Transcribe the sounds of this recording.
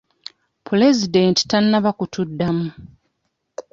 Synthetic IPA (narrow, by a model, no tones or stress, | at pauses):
pʰulezidenti̥tanːaβakutʰudːamu